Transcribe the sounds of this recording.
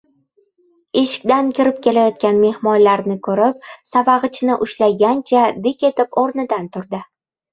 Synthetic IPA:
eʃɪ̥kʲd̪ankʲʰɪɾɪp̚kʲʰe̞lajɒt̪̚kʲanme̞hmɒnlaɾnɪkʰɵɾɪp̚savaʁɨt͡ʃʰnɪʔʊʃlajɡʲant͡ʃʰad̪ɪkʲe̞t̪ʰɪpoɾnɪd̪ant̪ʰʊɾd̪ɪ

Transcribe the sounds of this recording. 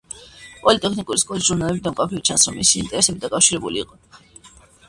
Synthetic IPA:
pʼɔlit̪ʼɛkʰnikʼuɾiskʼɔlisʒuɾnalɛbid̪amkʼapʰɾivit͡ʃʰansɾɔmisḭːnt̪ʼɛɾɛsɛbid̪akʼafʃiɾɛbuliːqʼɔ

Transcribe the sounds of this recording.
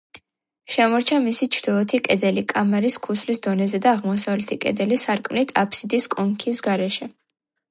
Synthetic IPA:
ʃɛmɔɾt͡ʃʰamisit͡ʃʰɾd̪ilˠɔt̪ʰikʼɛd̪ɛlikʼamɛɾiskʰuslisd̪ɔnɛzɛd̪aːʁmɔsavlɛt̪ʰikʼɛ̰d̪ɛlisaɾkʼmnit̪ʰapʰsid̪iskʼɔŋkʰisɡaɾɛʃɛ

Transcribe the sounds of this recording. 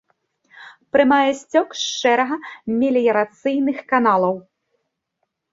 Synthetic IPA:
pɾɨmajɛsʲt͡sʲɔkʂt͡ʂɛɾɐɣɐmʲɛlʲijɐɾat̪sɨjnɨxkanalˠɐw

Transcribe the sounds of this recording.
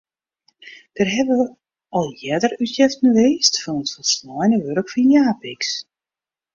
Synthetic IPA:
d̥ərɦɛbə | ɔlˠjɛdərytjɛftnəʋeːstfɔnətfɔlˠsnɔjnəʋørkfɔnjaːpiks

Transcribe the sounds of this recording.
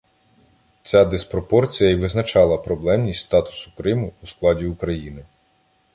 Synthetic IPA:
t͡sʲad̪ɪspɾɔpɔrt͡sʲijɐiʋɪznɐt͡ʃɑlˠɐpɾɔblˠɛmnʲisʲtʲst̪ɑt̪ʊ̥sʊ̥kɾɪmʊːsklˠɑdʲiukɾɐjinɪ

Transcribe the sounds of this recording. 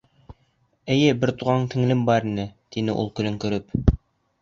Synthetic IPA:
ɘ̆jɘbɘɾt̪uʁɑɴt̪ʰɘ̆ŋlɘmbɑɾinɘt̪inɘʔṵlˠkɵ̆lɘŋkɵ̆ɾɵp

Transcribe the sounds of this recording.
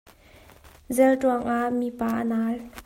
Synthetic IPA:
zɛltuaŋʔaʔmipaːʔənaːl

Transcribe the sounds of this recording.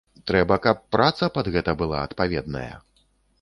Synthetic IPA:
t̪ɾɛbɐkapːɾat̪sɐpad̪ɣɛt̪ɐbɨlˠa̰ɐt̪pavʲɛd̪nɐ̰jɐ̰

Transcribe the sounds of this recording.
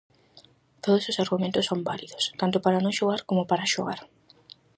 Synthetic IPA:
t̪oðososaɾɣumẽnt̪ʊsːombaliðʊst̪ant̪ʊpaɾanõŋʃoɣ̞aɾkomʊpaɾaʃoɣa̰ɾ

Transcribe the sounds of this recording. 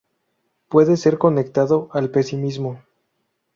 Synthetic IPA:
pwe̞ðe̞se̞ɾko̞ne̞k̚t̪aðo̞ʔalpe̞simizmo̞

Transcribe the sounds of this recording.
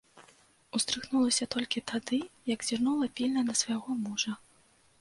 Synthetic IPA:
ust̪ɾɨxnulˠɐsʲɐt̪ɔlʲkʲit̪ʰad̪ɨjɐɡzʲirnulˠɐpʲilʲnɐnɐsvɐjaɣɔmuʐɐ

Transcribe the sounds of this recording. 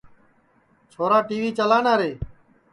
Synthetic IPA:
t͡ʃʰoːɾaːʈiːʋiːt͡ʃəlaːnaːɾeː

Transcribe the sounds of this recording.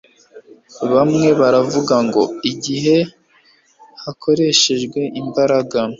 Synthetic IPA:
βamŋe̞βaɾavuɡaŋɡo̞iɟiɦe̞ | hakʰo̞ɾe̞ʃe̞ʒɡwe̞imbaɾaɡa

